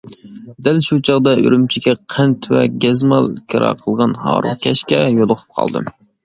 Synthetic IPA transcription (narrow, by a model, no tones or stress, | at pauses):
d̪ælʃut͡ʃʰɑʁd̪ɑʔy̰ɾymt͡ʃʰikʲɛqʰænt̪ʰvɛ̰ɡʲɛzmɑlˠkʲʰeɾɑ̰ːqʰəlˠʁɑnhɑ̰ːɾṵkʲʰɛʃkʲɛjolˠʊqʰʊ̥p̚qʰɑ̰lˠd̪ɨ̰